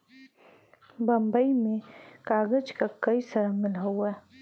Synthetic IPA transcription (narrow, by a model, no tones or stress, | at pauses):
bɐmbɐimẽkaːɡəd͡ʒkakɐisɐɾamɪlɦɐwɛ